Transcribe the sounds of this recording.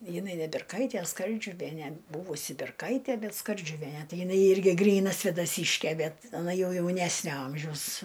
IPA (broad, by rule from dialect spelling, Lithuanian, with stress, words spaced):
jɪˈnɐɪ nʲɛ bʲɪrˈkɐɪtʲiɛ ˈskɐrʲd͡ʒʲʊʋʲiɛnʲɛ ˈbʊʋʊsʲɪ bʲɛrˈkɐɪtʲiɛ ˈbʲɛt skɐrʲd͡ʒʲʊˈʋʲiɛnʲɛ ˈtɐɪ jɪˈnɐɪ ˈɪrʲɡʲɪ ˈɡrʲiːnɐ sʲʋʲeːdɐˈsʲiːʃʲkʲeː ˈbʲɛt ɐˈnɐ ˈjɛʊ ˈjɛʊnʲɛsʲnʲoː ˈɐmʲʒʲɛʊs